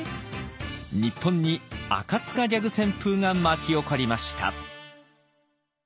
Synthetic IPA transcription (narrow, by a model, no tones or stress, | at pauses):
ɲipʰːõ̞ɲ̟ːia̰kat͡sɨ̥kad͡ʑʲaɡɯ̟sẽ̞mpɯːŋamakʲio̞koɾʲimaɕi̥t̪a̰